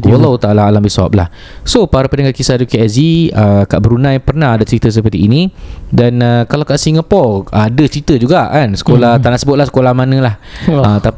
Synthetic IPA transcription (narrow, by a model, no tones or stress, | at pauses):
olawt̪aʔlaalambisɔ̰p̚la̰h | sopaɾapənãŋakisadukeaziəkaʔbəɾunãjpərnahadat͡ʃəɾit̪əs̬əpərt̪iːnĩdanəkalawkaʔsiŋapɔradət͡ʃəɾit̪əd͡ʒuɡaʔkansə̥kolaht̪anãʔsəbʊt̪̚lahsə̥kolahmanə̃laht̪a